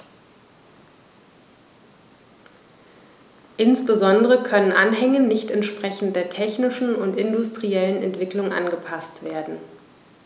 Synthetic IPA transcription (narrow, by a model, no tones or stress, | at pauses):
ʔɪnsb̥əzɔndəʁəkʰœnənʔanɦɛŋənɪçtɛntʃpʁ̥ɛçn̩td̥eːɐtʰɛçnɪʃn̩ʊntɪndʊstʁ̥iɛlənɛ̰ntv̥ɪklʊŋʔa̰nɡəpʰastv̥eːɐdn̩